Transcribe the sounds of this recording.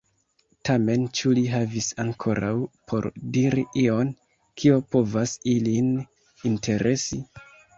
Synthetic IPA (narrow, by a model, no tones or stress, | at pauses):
tʰame̞nt͡ʃuliɦavisaŋkʰo̞ɾʔa̰wpʰo̞̰ɾdiɾiʔio̞n | kʰio̞po̞vasilin | intʰe̞ɾʔe̞si